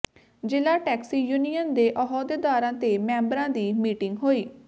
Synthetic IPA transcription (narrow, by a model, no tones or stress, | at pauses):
d͡ʒɪlaːʈɛːksiːjunijənd̪eːʔɔɦɔːd̪eːd̪aːɾãːt̪eːmɛ̃ːmbɾãːd̪iːmiːʈɪŋɡɦoːiː